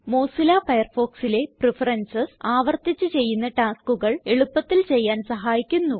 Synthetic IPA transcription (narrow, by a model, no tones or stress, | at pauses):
moːsilafɐjɐrfo̞ːksile̞prifɐrɐnsɐsaːʋɐrt̪it͡ɕːɨt͡ɕe̞jːunːɐʈaːskuɣɐɭeɭupːɐt̪ːilt͡ɕe̞jːaːnsɐɦaːjikʲːunːu